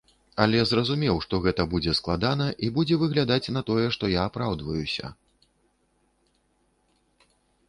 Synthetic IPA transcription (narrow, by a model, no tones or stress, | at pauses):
ɐlʲɛzrɐzumʲɛwʂt̪ɔɣɛt̪ɐbud͡zʲɛsklˠad̪anɐʔibud͡zʲɛvɨɣlʲad̪at͡sʲnɐt̪ɔjɛʂt̪ɔjaːpɾawd̪vɐjusʲɐ̰